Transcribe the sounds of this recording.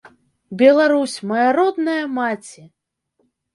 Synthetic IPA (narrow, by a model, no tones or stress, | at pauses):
bʲɛlˠaɾusʲmɐjaɾɔd̪nɐjɐmat͡sʲi